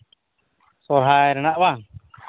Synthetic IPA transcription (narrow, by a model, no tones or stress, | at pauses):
sɔɾɦajɾɛnaʔba